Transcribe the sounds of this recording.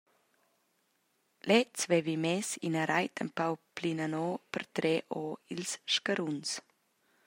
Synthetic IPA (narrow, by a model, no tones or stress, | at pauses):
lɛt͡svɛvimɛsinəɾajt̪ʰə̰mpawplinanɔːpʰərt̪ɾɛʔɔːilsʃkaɾuns